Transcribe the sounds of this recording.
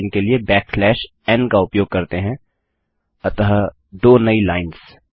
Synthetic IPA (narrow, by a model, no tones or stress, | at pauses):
ɪnkeliebɛːkflɛːʃ | ɛnkaʊpjoːɡ̚kɐɾt̪eɦɛ̃ | ɐt̪əɦ | d̪oːnɐilaːɪns